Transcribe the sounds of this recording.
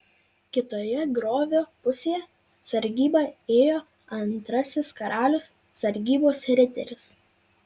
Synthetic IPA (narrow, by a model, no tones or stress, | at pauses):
kʲɪt̪oːjɛɡɾoːʋʲoːpʊsʲeːjɛ | sɐɾʲɡʲiːbɑeːjoː | ɐnt̪ɾɐsʲɪskɐɾʔɑːlʲʊsːɐɾʲɡʲiːboːsɾʲɪt̪ʲɛ̰ɾʲɪs